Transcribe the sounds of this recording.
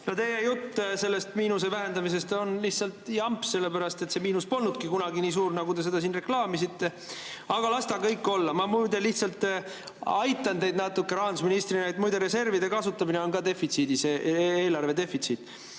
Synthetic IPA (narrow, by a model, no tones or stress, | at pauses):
not̪e̞jejut̪ːse̞lːe̞st̪miːnuse̞væɦe̞nd̪ɑmis̬e̞st̪o̞nliht̪sɑlt̪jɑmpse̞lːepæɾɑst̪e̞t̪se̞miːnuspo̞lnud̪̥̚kikunɑɡiniːs̬uːrnɑɡut̪e̞se̞d̪ɑsiːnre̞klɑːmisit̪ːe̞ | ɑɡ̥ɑlɑst̪ɑkɤjkːo̞lːɑmɑmujd̪e̞liht̪sɑlt̪ | ɑjt̪ːˑɑnt̪e̞jd̪nɑt̪ːukːe̞ɾɑːnd̪usminist̪rinɑjt̪mujd̪e̞ɾe̞se̞rvid̪e̞kɑsut̪ːˑɑmineo̞nɡɑd̪e̞fit̪sid̪ise̞ːeːlɑrve̞d̪e̞fit̪sit̪ˑ